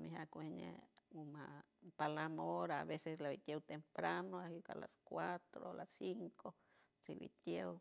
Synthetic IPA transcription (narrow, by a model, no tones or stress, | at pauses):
miɦakʷeɲḛuma | palamoɾaːβeseslaβit̪jewt̪empɾanoahika̰la̰skʷat̪ɾolasiŋko | t͡siβḭt̪jew